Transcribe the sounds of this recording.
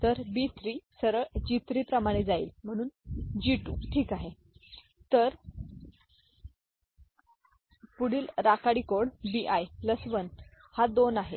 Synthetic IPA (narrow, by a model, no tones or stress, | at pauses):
t̪əɾbit̪ɾiːsəɾəd͡ʑit̪ɾiːpɾəmaɽ̃ed͡zaḭːlm̤əɽ̃uːnd͡ʑiʈṵːʈʰiːkaɦe | t̪əɾ | puɽiːlɾakaɽikoɽbiʔajləsʋən | had̪onaɦḛ